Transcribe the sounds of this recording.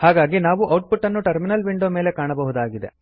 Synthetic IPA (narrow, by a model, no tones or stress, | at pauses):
haːɡaːɡinaːʋuʔɐwʈ̚pʰuʈːɐnːuʈɐɾminɐlʋiɳɖoːme̞ːle̞kaːɳɐbɐɦud̪aːɡid̪e̞̰